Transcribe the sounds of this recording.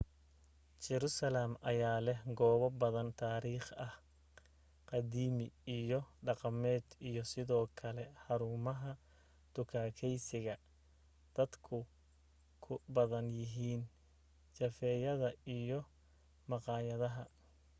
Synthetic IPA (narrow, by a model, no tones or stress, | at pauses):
t͡ʃɛɾusɐlamʔɐ̰jaːlɛhɡɔːβɐbɐðɐnt̪ʰaːɾiːχɐh | qɑd̪iːmɪijɞɖɑqɑmɛːd̪ijɔsɪðɔːkʰɐlɛhɑɾuːmɐɦɐ | d̪̥ʊkʰaːkʰɛjsɪɣɐ | d̪̥ɐd̪kʰʊ | kʰʊbɐðɐnjɪɦiːn | t͡ʃɐfɛːjɐðɐijɔ | mɑqɑːjɐðɐɦɐ